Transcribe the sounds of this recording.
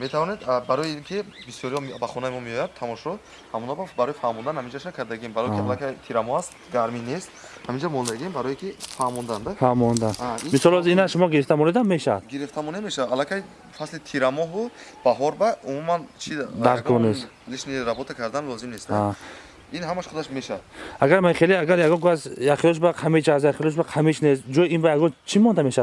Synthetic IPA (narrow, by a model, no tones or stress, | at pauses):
met̪ʰavɔned̪baɾɔjiiŋkʰibisjɔɾihɔbaχɔnaimɔmeɔjad̪̚t̪ʰamɔʃɔ | hamunababaɾɔjfahmɔnd̪anhamind͡ʒaʃakʰaɾd̪aɡiembaɾɔjkialakʰajt̪ʰiɾamɔhast̪ɡaɾminest̪ | hamind͡ʒamɔnd̪aɡiembaɾɔjikʰifahmɔnd̪and̪afahmɔnd̪anamisɔlɔzinaʃumɔɡiɾift̪ʰamɔned̪amːeʃad̪ɡiɾift̪ʰamɔnemeʃaalakʰaj | faslit̪ʰiɾamɔɦu | b̥aɦɔɾbaumumant͡ʃʰid̪aɾɡɔnes | liʃniɾabɔt̪ʰakʰaɾd̪anlɔzimnest̪a | inɦamaʃχud̪aʃmeʃad̪ʔaɡaɾmaχeliaɡaɾjaɡɔnkuasjaχilɔʃ̬baqʰamit͡ʃasjaχilɔʃ̬baqʰamit͡ʃnest̪d͡ʒɔjinbajaɡɔnt͡ʃʰimɔnd̪ameʃad̪